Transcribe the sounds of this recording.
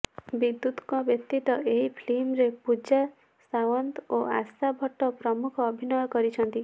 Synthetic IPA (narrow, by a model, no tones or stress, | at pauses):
bid̪ːut̪kɔbjɔkt̪it̪ɔʔeɦipʰlemɾepud͡ʒa | sawɔnt̪oasabʱɔʈːɔpɾɔmukʰɔːbʱinɔjɔkɔɾit͡ʃʰɔnt̪i